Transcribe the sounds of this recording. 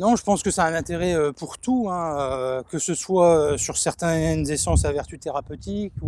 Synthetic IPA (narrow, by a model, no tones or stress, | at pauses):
nɔ̃ʒəpɑ̃skəsɛɛ̃nɛ̃t̪eʁɛøpuʁt̪uɛ̃økəsəswaøsyʁsɛʁt̪ɛnzesɑ̃savɛʁt̪yt̪eʁapøt̪iku